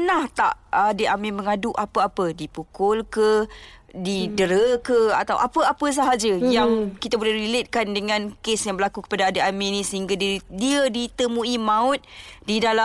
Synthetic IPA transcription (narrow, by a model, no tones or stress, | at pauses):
ənaht̪a̰ʔadeʔamɪməŋadʊʔapəapədipukʊlkə | didəɾəkəa̰t̪awʔapəapəs̬aɦad͡ʒəjaŋkit̪abulahɾilet̪̚kandəŋãnkesjaŋbəlakukə̥padaːdəʔaminĩsəɦiŋɡaddiədit̪əmuimãʊt̪̚didala